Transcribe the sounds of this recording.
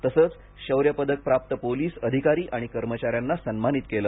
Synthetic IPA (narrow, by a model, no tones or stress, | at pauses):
t̪əsəːt͡s | ɕəwɾjəpəd̪ək̚pɾap̚t̪əpoliːsəd̪ʱikaɾiːʔaɽ̃ikəɾmət͡ɕaɾjanːasənmanit̪̚keləː